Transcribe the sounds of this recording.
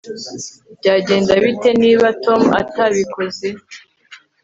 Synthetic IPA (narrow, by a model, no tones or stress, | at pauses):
bɟaːɟe̞ːndaβite̞niːβato̞mua̰taβiko̞ze